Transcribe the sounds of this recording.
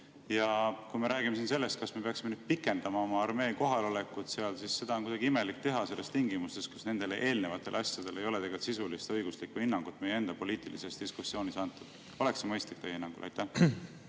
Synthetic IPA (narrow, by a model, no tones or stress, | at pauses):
jɑkujme̞ɾæːɡimesinse̞lːe̞st̪̚kɑsme̞pe̞ɑksimenyd̪̥̚pikːˑe̞nd̪̥ɑmɑo̞mɑɑrme̞ːko̞ɦɑlo̞le̞kut̪seɑlsisːe̞d̪ɑonkujd̪ɑɡ̥iime̞lik̚t̪e̞ɦɑse̞lːe̞st̪iŋɡimust̪e̞st̪ku̥sne̞nd̪̥e̞lʔe̞ːlne̞vɑt̪ːˑe̞lɑsʲjɑd̪̥e̞le̞jo̞le̞t̪eɡelt̪sisulist̪ɤ̞jɡ̥uslikːvinːɑŋɡ̥ut̪ːˑmejeend̪ɑpo̞liːt̪ilisest̪d̪̥iskusːio̞ːnisɑnt̪ːˑud̪̥ | o̞le̞ksemɤjst̪lik̚t̪ejeinːɑŋɡ̥ulʔɑ̰jt̪ːˑæh